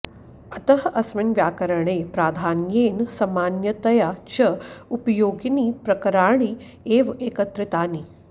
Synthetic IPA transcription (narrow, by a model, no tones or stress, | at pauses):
ɐt̪ɐɦʔɐsʋɪnʋjaːkɐɾɐɳeːpɾaːd̪ʱaːnjeːnsɐmaːnjɐt̪ɐjat͡ʃɐupɐjoːɡiniːpɾɐkɐɾaːɳ̃i | eːʋeːkɐt̪ɾɪt̪aːni